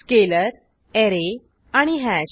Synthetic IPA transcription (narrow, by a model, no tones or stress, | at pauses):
keləɾ | eɾe | aɽ̃iɦæɕ